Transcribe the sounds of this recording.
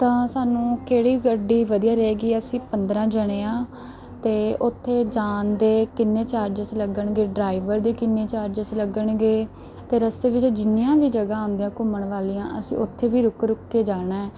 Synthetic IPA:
t̪ãːsaːnũːkeːɽiːɡəɖːiːʋəd̪ijaːɾɛɛːɡiːəsĩːpənd̪ɾãːd͡ʒəɽ̃eːãː | t̪eːʔʊt̪ʰːeːd͡ʒaːnd̪eːkɪnːeːt͡ʃaːɾd͡ʒəsləɡəɳɡeːɖɾaːɪʋəɾd̪eːkɪnːeːt͡ʃaːɾd͡ʒəsləɡəɳɡeː | t̪eːɾəsd̪eːʋɪt͡ʃd͡ʒɪnijãːʋiːd͡ʒəɡaːõnd̪ejãːkʊməɳʋaːliːãːʔəsḭ̃ːʊt̪ʰːeːʋiːɾʊkɾʊkːeːd͡ʒaːɽaːɦɛː

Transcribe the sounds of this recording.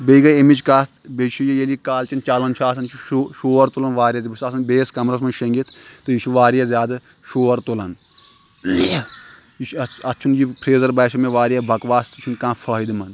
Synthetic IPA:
bejɡɐemit͡ʃkaːt̪ʰbeʃʰujɐjelikaːlt͡ʃɐnt͡ʃalɐnt͡ʃʰuaːs̬ɐnt͡ʃʰuʃoːɐɾt̪ulɐnʋaːɾjɐzibisaːs̬ɐnbeːskɐmɾɐsmɐnʃɐŋɡit̪ʰt̪ɨjiʃuʋaːɾijazʲjaːd̪ɨ | ʃoːɐɾt̪ulɐn | iʃɐt̪ːt͡ʃʰund͡ʒipʰɾeːzɐɾbɐːʃɐmeʋaːɾijabʱɐkʋaːst̪ɨt͡ʃʰunkãːfʰɐːid̪imɐn

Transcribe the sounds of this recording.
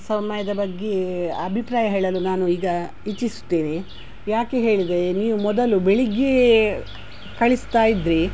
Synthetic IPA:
sɐmɐjɐd̪ɐbɐɡːeɐbʱipɾaːjɐɦeːɭɐlunaːnuiːɡɐ | it͡ʃːisu̥t̪ːeːni | jaːkeɦe̞ːɭid̪ɾeniːʋumɔd̪ɐlubeɭiɡe | kɐɭist̪aːjid̪ɾi

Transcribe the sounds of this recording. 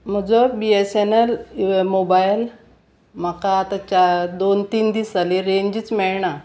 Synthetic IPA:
m̤əd͡zɔbiesenelmobajl | m̤akaːt̪at͡ɕad̪ont̪iːnd̪iːsaleɾeɲd͡ʑiːt͡smɛɭɳa

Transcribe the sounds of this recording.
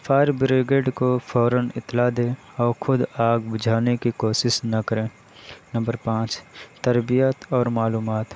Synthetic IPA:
fʰaːɾbɾɪɡeːɖkofʰɔːɾənɪ̰t̪ːlad̪ẽː | ɔːɾxʊd̪aːɡbʊd͡ʒʱaːnekikoːsɪsnɐkəɾẽː | nə̃mbəɾpãːt͡ʃt̪əɾbijət̪ɔːɾmaːluːmaːt̪

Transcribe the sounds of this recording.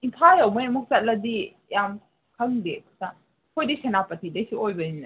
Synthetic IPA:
impʰajɐwmajamuk̚ʰsalɐdi | jam | kʰɐŋdekʰsa | kʰojdisenapɐtʰidejsiojbɐina

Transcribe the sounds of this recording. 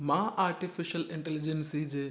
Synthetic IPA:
mãːʔaːɾʈifɪʃəlɪ̃ɳʈɛlɪd͡ʑensid͡ʑeː

